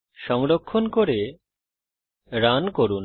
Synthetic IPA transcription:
ʃɔŋlokʰːonkoɾe | ɾankoɾun

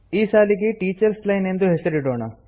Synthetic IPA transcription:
iːsaːlikiʈiːt͡ʃɐɾslɐjnend̪uɦesɐɾiɖoːna

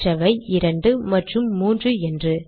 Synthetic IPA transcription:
rɐʋɐɪɪɾɐɳɖɯmɐʈrɯmːuːndrɯɛndrɯ

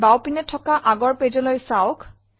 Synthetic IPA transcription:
bawpinɛtʰɔkaʔaɡɔɹpezɔlojsaʊkʰ

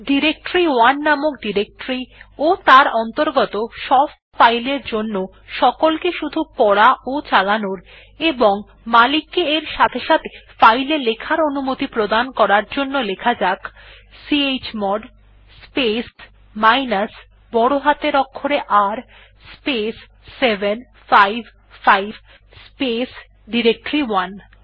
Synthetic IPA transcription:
ɖiɾek̚ʈɾiwanːamok̚ɖiɾek̚ʈɾiot̪aɾɔnt̪oɾɡɔt̪oʃɔb | fajleɾd͡ʑonːo | ʃɔkolkeʃud̪ʱupɔɽaot͡ɕalanoɾ | eboŋ | malikːeeɾʃat̪ʰeʃat̪ʰe̥fajlelekʰaɾonumot̪ipɾod̪ankɔɾaɾd͡ʑonːolekʰad͡ʑaksiet͡ɕmɔɖ | spes | majnas | bɔɽoɦat̪eɾɔkʰːoɾeʔaɾ | spesː | ebʱen | fajbʱ | fajb | spes | ɖiɾek̚ʈoɾiwan

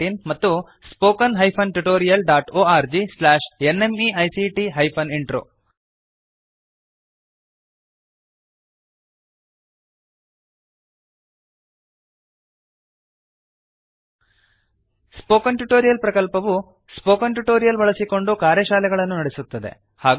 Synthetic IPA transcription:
inmɐt̪ːu | spoːkɐnɦɐjpʰɐnʈuʈoːɾijɐlɖaːʈoːaːɾd͡ʒislaːʂenːe̞miʔɐjsiʈiɦɐjpʰɐniɳʈɾo̰ː | spoːkɐnʈuʈo̞ːɾijɐlpɾɐkɐlpɐʋu | spoːkɐnʈuʈoːɾijɐlʋɐɭɐsiko̞ɳɖukaːɾjɐʃaːlɛɡɐɭɐnːunɐɽesut̪ːɐd̪e̞̰ | haːɡ

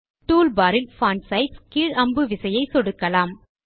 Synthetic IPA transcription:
ʈuːlbaːɾɪlfaːnsɐɪʈskiːɻɐmbɯʋɪsɐjɐɪsɔɽɯkːɐlaːm

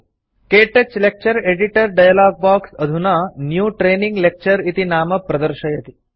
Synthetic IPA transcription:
keːʈet͡ʃlek̚t͡ʃəɾeːɖiʈəɾɖajɐlaːɡ̚baːksɐd̪ʱunanjuːʈɾeːniŋɡlek̚t͡ʃɐɾit̪inaːmɐpɾɐd̪əɾʃɐjɐt̪i

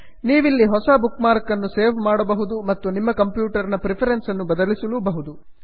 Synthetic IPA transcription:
niːʋilːiɦɔsɐbukmaːɾkːɐnːuse̞ːɾʋmaːɽɐbɐɦud̪umɐt̪ːunimːɐkɐmpjuːʈɐɾnɐpɾipʰɐɾensɐnːubɐd̪ɐlisulubɐɦud̪u

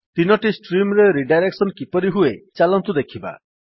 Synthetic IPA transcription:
t̪inɔʈisʈɾimɾeɾiɖajɾeksɔnkipɔɾiɦuet͡ʃalɔnt̪ud̪ekʰiba̰

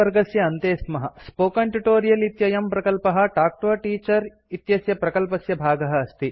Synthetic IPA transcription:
ɐɾɡɐsjɐːnt̪eːsmɐɦɐspoːkɐɳʈuʈoːɾijɐlit̪jɐjɐmpɾɐkɐlpɐɦɐ̆ʈaːk̚ʈoʈiːt͡ʃɐɾ | it̪jɐsjɐpɾɐkɐlpɐsjɐbʱaːɡɐɦɐːst̪i

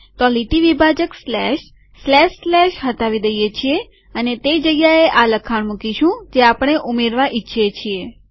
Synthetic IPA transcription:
kɔliʈiʋibʱad͡ʒəkslɛʃ | slɛʃslɛʃɦət̪aʋid̪əjet͡ʃʰie | ənet̪ed͡ʒəɡjaeʔaləkʰaɳ̃mukiʃũd͡ʒeapəɳ̃eʔumeɾʋaʔitːʃʰet͡ʃʰie

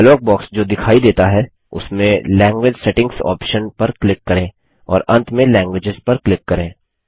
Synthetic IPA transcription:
lɔːk̚bɔːksd͡ʒoːd̪ɪkʰaːid̪eːt̪aɦɛ | ʊ̰smẽlɛ̃ːŋɡwɪd͡ʒsɛʈɪ̃ŋɡsɔ̰ːpʃənpɐɾklɪkːɐɾẽː | ɔ̰ːɾɐ̃nt̪ʰmẽlɛ̃ːŋɡwed͡ʒɪzpɐɾklɪkːɐɾẽː

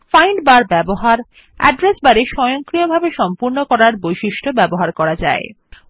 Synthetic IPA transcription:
fajɳɖbaɾbɛboɦaɾ | ɛ̰ɖɾesbaɾeʃɔjoŋkɾiobʱabeʃɔmpuɾnokɔɾaɾbojʃiʃʈʰobɛboɦaɾkɔɾad͡ʑa̰e

